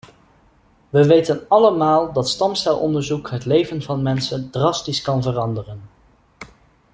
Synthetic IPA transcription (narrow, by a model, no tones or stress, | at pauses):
ʋəʋejtənɑləmaːlˠdɑtstɑmstɛlˠʔɔ̰ndəɹzukɦətlejvənvɑnmɛnsəndrɑstiskɑnvərɑndərən